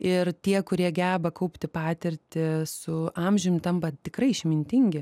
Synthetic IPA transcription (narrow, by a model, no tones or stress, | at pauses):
ɪrt̪ʲiɛkʊɾʲiɛɡʲæːbɐkɐʊpʲt̪ʲɪpɑːt̪ʲɪɾʲt̪ʲɪsʊɑːmʲʒʲʊmt̪ɐmpɐt̪ʲɪkrɐɪʃʲmʲɪnʲt̪ʲɪŋʲɡʲɪ